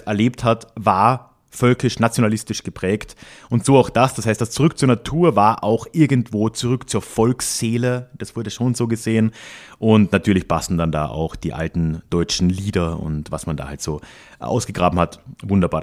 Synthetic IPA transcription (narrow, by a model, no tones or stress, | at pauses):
ʔɛɐleːpthatvaːɐ | fœlkɪʃnat͡sjonalɪstɪʃɡ̥əpʁ̥ɛːktʔʊntz̥oːaʊxd̥asd̥ashaɪstd̥ast͡suʁʏk̚t͡suːɐnatʰuːɐvaːɐʔaʊxʔɪɐɡn̩tv̥oːt͡suʁʏkt͡suːɐfɔlksz̥eːləd̥asv̥ʊɐdəʃoːnzoːɡəzeːənʔʊntnatʰyːɐlɪçpʰastn̩danda̰ːʔa̰ʊxd̥iːʔa̰ltn̩d̥ɔʏt͡ʃn̩liːdɐʊ̰ntva̰smanda̰ːhaltz̥oː | ʔa̰ʊsɡ̥əɡʁaːbm̩hatvʊndɐbaːɐ